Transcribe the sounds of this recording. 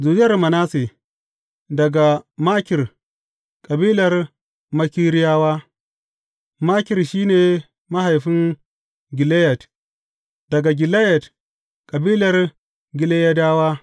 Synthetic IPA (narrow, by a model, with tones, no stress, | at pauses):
zuː˨d͡ʒɪ˦jɐ˨rmɐ˨naː˦seː˨ | dɐ˨ɡa˨maː˦kʲɪ˨r | kʼɐ˨biː˦lɐ˨r | mɐ˦kʲiː˦ɽɪ˦jaː˦waː˦ | maː˦kʲɪ˨rʃiː˦neː˨ | ma˦ɦa˨jɸɪ˦ŋ | ɡʲɪ˨le˦jɛ˨t | d̥ɐ˨ɡa˨ɡʲɪ˨le˦jɛ˨t | kʼɐ˨biː˦lɐ˨r | ɡʲɪ˨le˦jɐ˦daː˦waː˦